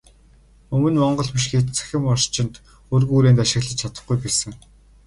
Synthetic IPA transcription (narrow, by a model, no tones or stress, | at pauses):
ɵmɵ̆nmɔɴɢɞ̆ɮpiʃ̬xeːt̪t͡sʰæ̥xʲɪ̆mɔrʃt͡ɕɪ̆nt̪ | ɵrɣuːɾeːnt̪aʃɪ̆xɮə̆t͡ɕt͡ɕʰat̪ə̆χɡujpæːsɘ̆ŋ